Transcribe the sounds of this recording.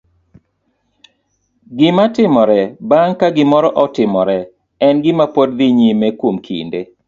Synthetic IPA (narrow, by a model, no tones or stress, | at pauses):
ɡɪmatɪmɔɾɛbaŋkaɡɪmɔɾɔʔɔtɪmɔɾɛ | ɛnɡɪmapod̚d̪ɪɲimekwomkʰḭnde